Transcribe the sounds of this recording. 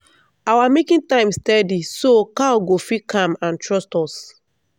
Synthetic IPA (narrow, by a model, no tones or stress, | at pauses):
awamekĩntãɪ̃mstɛdisokaɔɡofikʰãmãntɹɔstɔs